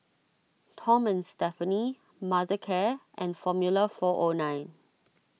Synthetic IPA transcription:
tʰɔ̃mɛ̃nstɛfəni | madəkʰɛʔɛ̃nfɔmjuləfɔʔonãɪ̃n

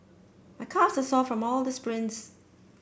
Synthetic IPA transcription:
maɪkʰasəsɔfɹɔ̃mɔlˠd̪əspɹɪ̃ns

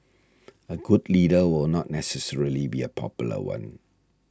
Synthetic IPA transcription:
əɡudlidəwɪlnɔt̚nɛsɛsɛɹilibiəpʰɔ̰pjulə̰wã̰n

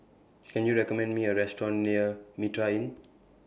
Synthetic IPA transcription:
kɛ̃njuɹɛkɔmɛ̃ndmiəɹɛstɹɔ̃nniəmitɹaĩn

